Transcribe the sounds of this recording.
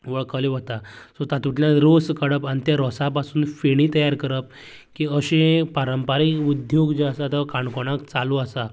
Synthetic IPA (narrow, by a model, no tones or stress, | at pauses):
ʋəɭkəleʋət̪asɔt̪at̪uʈljãɾoskəɽəpanit̪jaɾɔsapasuːnfeɽ̃it̪əjaɾkəɾəp̚ | kiəɕẽpaɾəmpaɾikud̪joɡd͡ʑeasat̪əkaɳkoɽ̃akt͡saluasa